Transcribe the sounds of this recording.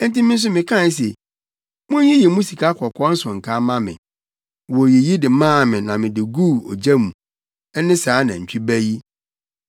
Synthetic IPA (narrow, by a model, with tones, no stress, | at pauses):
n̩˦ti˦mɪ̃˦n̩˦s̬ʊ˦mɪ̃˨kʰã˦˨n˦s̬e˨ | mʊ̃˦jĩ˦jɛ˨mũ˦si˨kʰa˦kʰɔ˨kʰɔ˦n̩˦sʊ̃˨ŋ̩˨kʰa˦mã˦mɪ̰̃˨ | wɔ˨je˨ji˦dɪ˨mãː˦˨mɪ̃˨nã˨mɪ̃˨dɪ˨ɡuː˦˨ɔ̰˨d͡ʑæ˦mũ˨ | ɛ˦nɪ̃˦saː˨˦nã˨t͡ɕʰᶣi˦bæ˦ji˦